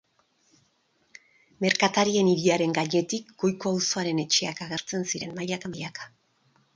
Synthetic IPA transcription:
me̞ɾkat̪aɾie̞niɾiaɾe̞ŋɡaɲe̞t̪ikɡo̞jko̞awso̞aɾe̞ne̞t͡ʃe̞akaɣ̞e̞ɾt͡se̞nsiɾe̞nmajakamjakḁ

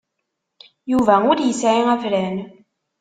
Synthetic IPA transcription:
juvæʊɾjəsʕiæfɾæn

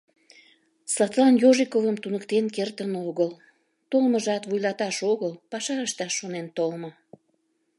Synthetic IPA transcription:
slˠɑt̪lˠɑnjoʒikovəmt̪unəkt̪enkert̪ənoɣəl | t̪olməʒɑt̪vujlɑt̪ɑʃoɣəlpɑʃɑəʃt̪ɑʃːonent̪olmə

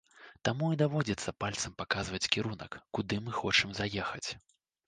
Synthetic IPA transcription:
t̪amuid̪avɔd͡zʲit̪sːɐpalʲt̪sɐmpakazvɐt͡sʲkʲiɾunɐ̰kːud̪ɨmɨxɔt͡ʂɨmzajɛxɐt͡sʲ

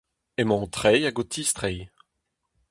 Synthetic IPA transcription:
emɔ̃t̪χɛjaɡot̪ʰist̪χɛj

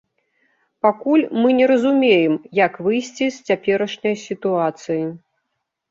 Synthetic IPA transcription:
pakulʲmɨnʲɛɾɐzumʲejɛmjɐkvɨjsʲt͡sʲisʲt͡sʲapʲɛɾɐʂnʲɐjsʲit̪uat̪sɨji

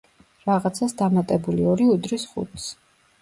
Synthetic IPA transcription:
ɾaʁat̪sʰasd̪amat̪ʼɛbuliɔɾiud̪ɾisχṵt̪ʰs

